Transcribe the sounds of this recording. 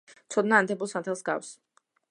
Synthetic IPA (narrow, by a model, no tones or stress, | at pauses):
t̪sʰɔd̪naːnt̪ʰɛbulˠsant̪ʰɛlˠsɡa̰fs